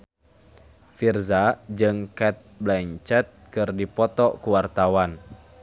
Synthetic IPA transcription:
firzad͡ʒɨŋkɛt̪̚blaɲt͡ʃɛt̪̚kɨrdipɔt̪ɔkuwart̪awan

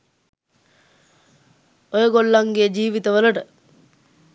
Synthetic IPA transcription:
ojəɡolːaŋɡejəd͡ʒiːʋit̪əʋələʈə

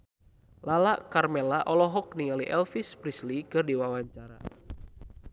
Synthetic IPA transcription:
lalaʔkarmɛlaʔɔlɔɦɔk̚niŋaliʔɛlfispɾislikɨrdiwawaɲt͡ʃaɾa̰

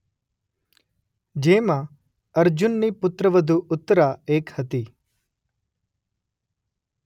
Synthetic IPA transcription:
d͡ʒeːma | ɐɾd͡ʒunːipʊt̪ɾɐʋɐd̪ʱuʔʊt̪ːəɾaeːkhɐt̪i

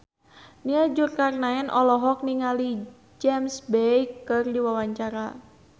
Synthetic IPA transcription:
niad͡ʒʊrkarnaɛnʔɔlɔɦɔk̚niŋali | d͡ʒɛmsbɛjkːɨrdiwawaɲt͡ʃaɾa

